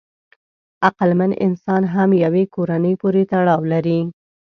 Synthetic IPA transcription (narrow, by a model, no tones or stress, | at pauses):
aqalmanʔɪ̰nsɑnɦamjawekoɾanəjpoɾet̪aɽɑwlaɾi